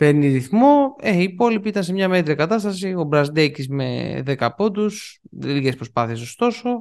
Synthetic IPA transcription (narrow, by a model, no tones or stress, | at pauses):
peɾniɾiθmo̞eiːpo̞lipiit̪ɐnse̞mɲɐme̞t̪ɾiɐkɐt̪ɐst̪ɐsio̞bɾɐzd̪ecisme̞̰ðekɐpo̞d̪usðelikespɾo̞spɐθie̞so̞st̪o̞so̞